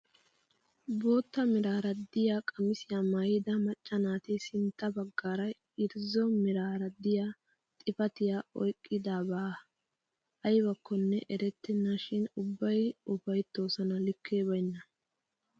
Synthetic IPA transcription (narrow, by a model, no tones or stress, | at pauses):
bo̞ːt̪ːɐmɪɾaːɾɐd̪ɪjaːkʼɐmɪsɪjaːmaːjɪd̪ɐmɐt͡ʃʼːɐnaːt̪ɪsɪnt̪ːɐbɐɡːaːɾɐj | ɪɾzɔmɪɾaːɾɐd̪ɪjaː | t̪ʼɪfɐt̪ɪjaːɔjkʼːɪd̪aːbaː | ɐjbɐkːɔnːɛʔɛɾɛt̪ːɛnːaʃɪnʊbːɐjʊfɐjt̪ːo̞ːsɐnɐlɪkʰːeːbɐjnːɐ